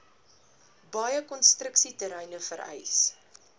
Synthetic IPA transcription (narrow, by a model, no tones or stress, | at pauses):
bɐjəkɔnstrəksitəɾɛjnəfəɾɛ̰js